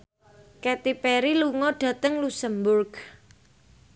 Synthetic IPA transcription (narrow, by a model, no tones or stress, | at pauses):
kɛt̪ipɛɾiluŋɔɖ̥ä̤t̪əŋlusəmbʊrɡ